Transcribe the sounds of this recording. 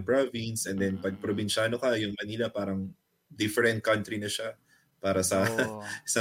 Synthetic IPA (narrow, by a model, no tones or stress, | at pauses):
ŋpɹovinsʔɛnd̪ɛnpɐɡ̚pɾobɪnʃaːnokɐjʊŋmɐniːlapaːɾɐŋ | d̪ɪfɛɾɛnt̪̚kɐnt̪ɾinɐʃa | paːɾɐsɐsɐ